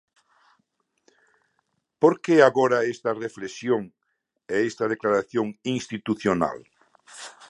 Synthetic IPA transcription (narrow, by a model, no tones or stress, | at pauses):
poɾkeaɣoɾɐest̪ɐreflesjoŋ | ɛest̪ɐð̞eklaɾaθjoŋiŋst̪it̪uθjona̰l